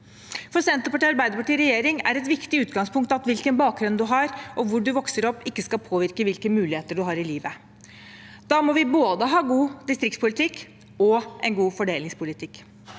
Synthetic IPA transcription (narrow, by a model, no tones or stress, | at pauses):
fɔsɛnt̪əpɑʈiːɑɾbæɪd̪əpɑʈiːɾɛjeːɾɪŋæ̰ɾɛt̪ʋɪkt̪ɪʉːt̪ɡɑŋspʰʊŋk̚t̪ɑt̪ʋɪlkənbɑːk̚ɡɾʉnd̪ʉɦɑɾʔɔʋʊɖʉʋɔksəɾɔpːɪkːəskɑlpʰoːʋɪɾkəʋɪlkəmʉːlɪheːt̪əɖʉɦɑɾɪliːʋə | d̪̥ɑːmɔʋɪboːd̪əɦɑːɡuːd̪ɪst̪ɾɪkt̪spʊlɪt̪ʰɪkː | ɔʔɛ̰nɡuːfɔɖeːlɪŋspʰʊlɪt̪ʰɪkː